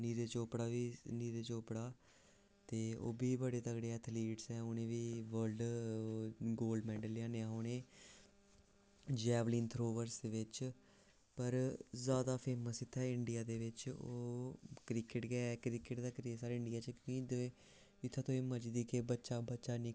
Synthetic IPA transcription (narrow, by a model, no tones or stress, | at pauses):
niːɾeːt͡ʃoːpɽaːʋiːniːɾeːt͡ʃoːpɽaː | t̪eːo̰ːbiːbəɽeːt̪əɡɽeːɛːt̪ʰliːʈsɛːʊnẽːʋiːʋəɾlɖ | ɡoːlɖmɛ̃ːɳɖəlːãːneaːɦoːɽ̃eː | d͡ʒɛːʋliːnt̪ʰɾoːʋəɾsd̪eːʋɪt͡ʃ | pəɾzjaːd̪aːpʰeːməsɪt̪ʰːɛːɪɳɖɪjaːd̪eːʋɪt͡ʃoːkɾɪkɪʈɡɛɛkɾɪkɪʈd̪aːkəɾiesaːɾɪɳɖijaːt͡ʃəkõd̪ẽː | ɪt̪ʰːãːt̪õːeːmət͡ʃd̪iːkɪbətːʃaːbətːʃaːnĩː